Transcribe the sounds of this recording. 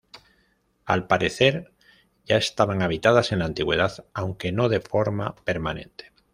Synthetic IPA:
a̰lpaɾe̞θe̞ɾ | ʝae̞st̪aβaŋaβ̞it̪að̞ase̞nlaːnt̪iɣwe̞ð̞aðawŋke̞no̞ð̞e̞fo̞ɾmape̞ɾmanẽ̞̰nt̪e̥

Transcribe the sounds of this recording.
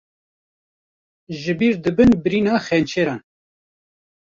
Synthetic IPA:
ʒɨbiːɾd̪ɨbɨnbɨɾiːnɑːxɛnt͡ʃʰeːɾɑːn

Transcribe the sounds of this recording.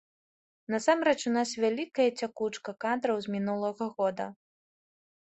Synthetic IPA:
nɐsamɾɛt͡ʂunasvʲalʲikɐjɐt͡sʲakut͡ʂkɐkad̪ɾɐwzʲmʲinulˠɐɣɐɣɔd̪ɐ̰

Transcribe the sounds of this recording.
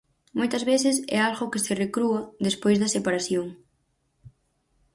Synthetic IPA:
mojt̪ɐzβeθɪsɛ̰alɣʊkɪserekɾuɐðespojzðɐsepaɾaθjoŋ

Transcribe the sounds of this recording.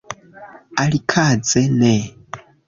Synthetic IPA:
alikʰad͡zɛnɛ

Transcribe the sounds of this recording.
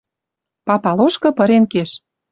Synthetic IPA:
pɑpɑloʃkɤ̆pɤ̆ɾenkeʃ

